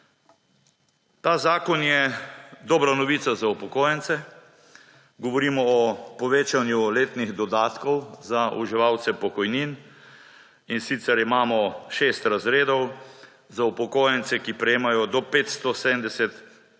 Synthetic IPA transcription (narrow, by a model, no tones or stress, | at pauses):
t̪aːzaːkɔnjɛd̪ɔːbɾanɔʋit̪sazaupɔkoːjɛnt̪sɛ | ɡɔʋɔɾiːmɔːpɔʋeːt͡ʃanjuleːt̪niɣd̪ɔd̪aːt̪kɔwzaṵʒiʋawt̪sɛpɔkɔjnin | insit̪sɛɾimaːmɔʃeːst̪ɾazɾeːd̪ɔw | zaupɔkoːjɛnt̪sɛkipɾɛjeːmajɔd̪ɔpeːt̪st̪ɔsed̪ənd̪ɛsɛt̪